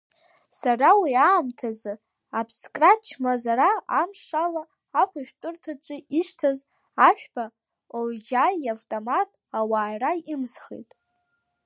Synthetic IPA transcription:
sarawiaːmtʰazɨ | apʰskʼrat͡ʃʰmazaɾaamʂalaː | χʷaʃᶣtʷʼʊrtʰat͡ʃʷʼɪʔiʃtʰaz | aʃᶣb̥a | old͡ʒajavtʼomatʼawaːjraɨmsχḛjtʼ

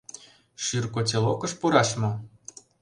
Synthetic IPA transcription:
ʃyrkot͡selˠokɤ̆ʃpuɾɑʃmɤ̆

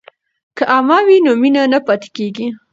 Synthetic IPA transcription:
kaʔamɑwinominanapat̪i̥keɡi

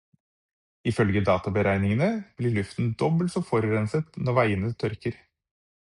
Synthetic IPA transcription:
ɪfœlɡəd̪ɑːt̪ɑbəɾʔæɪnɪŋənəb̥lɪɭʉft̪n̩d̪ɔbəlt̪sɔfɔɾɾɛnsət̪nɔɾʋæɪənət̪ʰœɾkəɾ

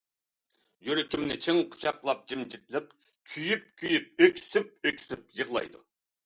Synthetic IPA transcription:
jyɾɪkʲimnɪt͡ʃʰiŋqʰʊ̥t͡ʃʰɑqlˠɑp̚d͡ʒimd͡ʒit̪lɪq̚ | kʲʰyjyp̚kʲʰyjyp̚økʲsyp̚økʲsɪp̚jəʁlˠɑ̰jd̪u

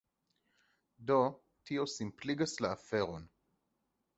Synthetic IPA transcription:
do | tʰiosimpliɡasleafeʁon

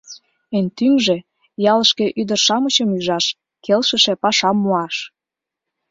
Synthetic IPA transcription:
ent̪yŋʒĕ | jɑləʃke̽ʔyd̪ərʃɑmət͡ɕəmyʒɑʃ | kelʃəʃĕpɑʃɑmːuɑʃ

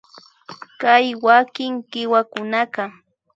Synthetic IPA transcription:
kajwakɪŋɢɪwakʊnakɑ

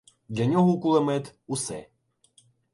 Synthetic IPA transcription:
d̪lʲɐnʲɔɦɔkulˠɛmɛt̪usɛ̰

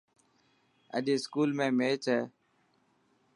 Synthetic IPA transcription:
ə̰ɗeːskuːlmẽːmeːt͡ʃɛː

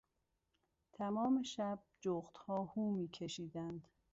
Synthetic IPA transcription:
t̪ʰæmɒːmeʃæb̚d͡ʒoɣt̪hɒːhuːmiːcʰeʃiːd̪ænd̪̥

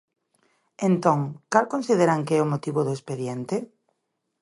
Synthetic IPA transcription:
ent̪õŋkalkonsiðeɾaŋkɪɛʊmot̪iβʊðʊespeðjɛnt̪ɪ

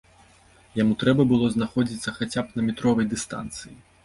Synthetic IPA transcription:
jamut̪ɾɛbɐbɨlˠɔznaxɔd͡zʲit̪sːɐxat͡sʲapnɐmʲit̪ɾɔvɐjd̪ɨst̪a̰nt̪sɨji

